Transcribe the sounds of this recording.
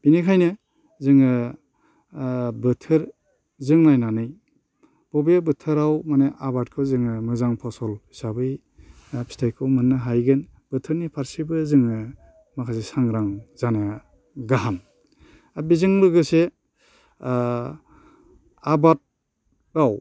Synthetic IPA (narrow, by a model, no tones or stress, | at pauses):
b̥inikʰajnɯ | zɯŋɯ | bɯtʰɯɾ | zɯŋnajnanɯj | b̥ɔbebɯtʰɯɾawmaneʔabat̚kʰɔzɯŋɯmɯzaŋpʰɔsɔlhisabɯj | pʰi̥stʰajkʰːɯwmɯnːɯɦajɡɯn | b̥ɯtʰɯɾnipʰaɾsibɯzɯŋɯ | makʰasesaŋɾaŋzana | ɡaɦam | abizɯŋɾɯɡɯse | abat̚ | ɾaw